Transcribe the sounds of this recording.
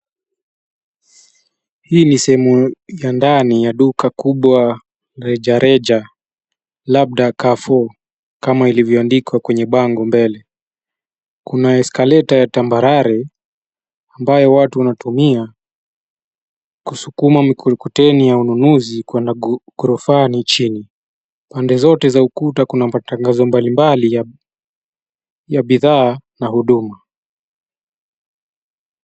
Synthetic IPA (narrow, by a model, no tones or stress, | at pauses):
hiːnisɛhɛmujandanijaɗukakuɓwa | ɾɛd͡ʒaɾɛd͡ʒa | lab̚ɗakafɔ | kamailivjɔandikwakwɛɲɛɓaŋɡɔmbɛlɛ | kunaɛskalɛtajatambaɾaɾɛ | ambajɔwatuwanatumia | kusukumamikutɛnijaununuzikwɛndaɡuɾɔfanit͡ʃini | pandɛzɔtɛzaukutakunamataŋɡazɔmbalimbalia | jaɓiðaːnahuɗuma